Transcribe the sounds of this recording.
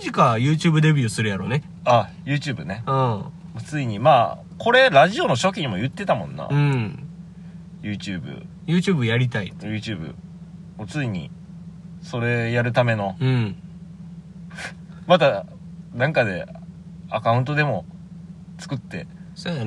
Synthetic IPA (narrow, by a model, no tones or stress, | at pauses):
ʑikajɯ̟ːt͡ɕɨːbɯ̟d̪e̞bʲjɨːsɨɾɯjaɾo̞̰ne | ajɯ̟ːt͡ɕɨːbɯ̟ne̞ɯ̃ | mot͡sɨiɲ̟imaː | ko̞ɾe̞ɾaʑio̞no̞ɕo̞kʲiɲ̟imo̞jɯ̟t̪ːe̞t̪amõ̞̰nːa̰ɯ̃ | jɯːt͡ɕɨːbɯ̰ | jɯ̟ːt͡ɕɨːbɯjaɾʲit̪aijɯ̟ːt͡ɕɨːbɯ̟̰mot͡sɨiɲ̟ḭ | so̞ɾe̞jaɾɯ̟t̪ame̞no̞ɯ̃ | mat̪a | nãŋkad̪e̞̰ | akaɯ̟̃nt̪o̞d̪e̞mo̞ | t͡sɨ̥kɯ̟t̪ːe̞̰so